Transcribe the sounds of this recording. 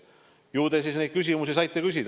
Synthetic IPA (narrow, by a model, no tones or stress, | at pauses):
juːd̪̥es̬isned̪̚kys̬ʲimusisɑjt̪ːˑekys̬ʲid̪̥